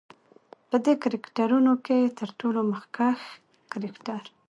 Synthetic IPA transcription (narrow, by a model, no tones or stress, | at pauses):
pəd̪ekaɾɪkʈaɾunoket̪ʰəɾʈoloməxkax | kaɾɪkʈaɾ